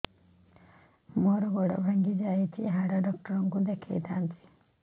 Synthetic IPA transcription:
moːɾɐɡɔɽɐ̰bʱɐŋɡid͡ʒaːjit̪ʰiɦaɽɐɖɔk̚ʈɐɾɐŋkud̪ekʰːḛjt̪ʰaːnt̪i̥

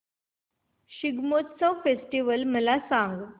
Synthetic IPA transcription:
ɕiɡmot̪t͡safesʈiʋəlməlasãŋɡ

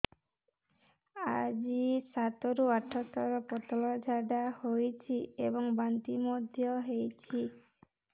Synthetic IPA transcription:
ad͡ʒisat̪ɔɾuaʈʰɔt̪ɔɾɔpɔt̪ɔlɔd͡ʒʱaɖahojt͡ʃʰiebɔŋbant̪imɔd̪ʱjɔɦejt͡ʃʰi

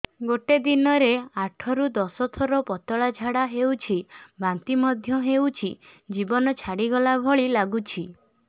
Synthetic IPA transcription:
ɡoʈed̪inɔɾeaʈʰɔɾud̪ɔsɔt̪ʰɔɾɔpɔt̪ɔɭad͡ʒʱaɽaɦewt͡ʃʰibʱant̪imɔd̪ʱjɔɦewt͡ʃʰid͡ʒibɔnɔt͡ʃʰaɽiɡɔlabʱɔɭilaɡut͡ʃʰi

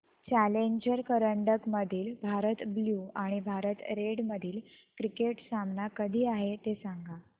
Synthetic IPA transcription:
t͡ɕæleɲd͡ʑəɾkəɾəɳɖəkməd̪ʱiːlbʱaɾət̪bljuaɽ̃ibʱaɾət̪ɾeɽməd̪ʱiːl | kɾikeʈsamnakəd̪ʱiːaɦet̪esaŋɡʱa

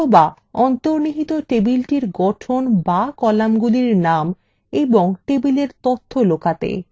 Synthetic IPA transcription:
ba | ɔnt̪oɾniɦit̪oʈebilʈiɾɡɔʈʰonbakɔlamɡuliɾnam | eboŋʈebileɾt̪ot̪ʰːolokat̪ḛ

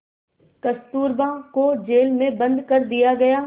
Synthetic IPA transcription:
kɐst̪uːɾbãːkod͡ʒeːlmẽbɐ̃nd̪kɐɾd̪ijaɡɐjaː

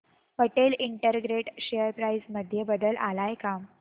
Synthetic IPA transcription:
ʋəʈeliɳʈəɾɡɾeʈɕejəɾpɾaid͡zməd̪ʱjebəd̪əlʔalajkam

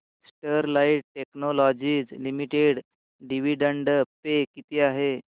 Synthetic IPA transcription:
sʈəɾlaiʈ̚ʈeknolɔd͡ʑiːd͡zlimiʈeɽ | ɖiʋiɖəɳɖəpekit̪ʰiːaɦe

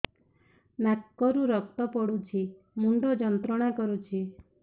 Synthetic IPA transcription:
nakːɔɾuɾɔk̚t̪ɔpɔɽut͡ʃʰi | muɳɖɔd͡ʒɔnt̪ɾɔɽ̃akɔɾut͡ʃʰi

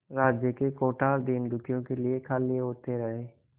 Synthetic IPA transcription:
ɾaːd͡ʒjəkekoːʈaːld̪iːnd̪ʊkʰijõkeliekʰalieɦoːt̪eɾɐɦeː

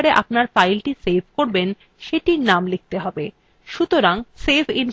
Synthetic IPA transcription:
ɾeʔa̰pnaɾfajlʈisebʱkoɾben | ʃeʈiɾnamlik̚t̪eɦɔbe | ʃut̪oɾaŋsebʱin

